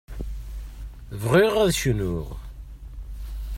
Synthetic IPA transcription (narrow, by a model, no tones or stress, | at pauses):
vʁiʁæðʃənʊʁ